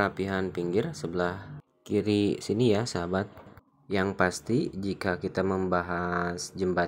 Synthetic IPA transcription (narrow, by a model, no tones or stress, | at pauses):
apiɦanpiŋɡɪrsəbəlah | kiɾisinijasəɦabat̪̚ | jaŋpast̪id͡ʒikakit̪aməmbaɦasd͡ʒəmba